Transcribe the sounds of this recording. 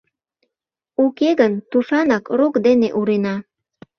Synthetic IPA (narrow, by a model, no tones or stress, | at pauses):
ukeɣənt̪uʃɑnɑkrokd̪eneʔuɾenɑ